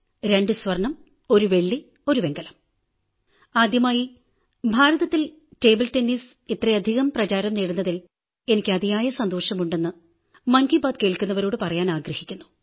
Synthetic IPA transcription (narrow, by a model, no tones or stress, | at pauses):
ɾe̞ɳɖɨsʋɐrɳɐm | o̞ɾuʋe̞ɭːi | o̞ɾuʋe̞ŋɡɐlɐm | aːd̪jɐmaːji | bʱaːɾɐðɐt̪ːil | te̞ːbɨltenːis | it̪reɐd̪ʱiɣɐmprɐt͡ɕaːɾɐmneːɽunːɐðil | e̞nikʲːɨɐd̪ʱijaːjɐsɐnd̪oːʂɐmuɳɖe̞nːɨ | mɐnkibaːd̪̚keːɭkʲːunːɐʋɐɾoːɽɨpɐrɐjaːnaːɡɾɐhikʲːunːu